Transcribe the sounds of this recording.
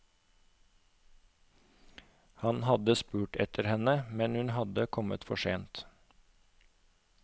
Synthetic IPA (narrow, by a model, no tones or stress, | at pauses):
hɑnhɑd̪əspʉːʈɛt̪ʰəɾhɛnəmɛnhʉnhɑd̪əkʰɔmə̰t̪fɔʃeːnt̪